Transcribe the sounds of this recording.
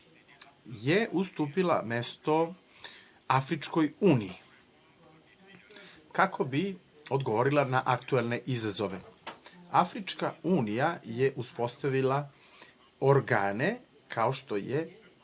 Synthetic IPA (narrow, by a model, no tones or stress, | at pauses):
jeʔust̪uːpila̰mest̪o̞ | afɾit͡ʃko̞juːniji | kakʰo̞bi | o̞d̪ɡo̞ʋo̞ɾilˠanaʔakt̪uelneʔizazo̞ʋe̞ | afɾit͡ʃkauːnijajeʔuspo̞st̪aʋilˠa | oɾɡaːne | kʰaoʃt̪o̞je